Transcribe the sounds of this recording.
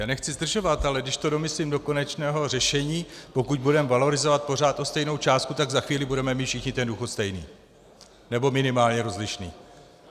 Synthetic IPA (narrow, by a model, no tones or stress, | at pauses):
aːnɛxt͡sɪzd̪r̩ʒo̞vat̪alɛdɪʃt̪o̞do̞mɪslimdo̞ko̞nɛt͡ʃnɛːɦo̞rɛʃɛɲiːpo̞kuɟbudɛmvalo̞ɾɪzo̞vat̪̚po̞r̝aːt̪ʔo̞st̪ɛjno̞wt͡ʃaːst̪kut̪aɡzaxviːlɪbudɛmɛmiːt̪fʃɪxɲɪt̪ɛnduːxot̪st̪ɛjnḭː | nɛbo̞mɪnɪmaːlɲɛɾo̞zlɪʃnḭː